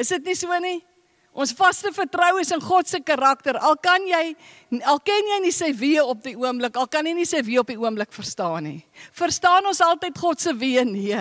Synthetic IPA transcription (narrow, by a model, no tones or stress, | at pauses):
əsdətnisuəni | ʔɔnsfɐstəfərtrəwəsənχɔtsəkɑɾɐk̚təɾɐlˠkɐnjɛj | nɐlˠkɛnjɛjnisəjviəɔp̚diuəmbləkɐlˠkɐnjɛjnisəjviəɔp̚iuəmbləkfərstɑːnḭfərstɑːnɔnsɐlˠtəjtχɔtsəviəniə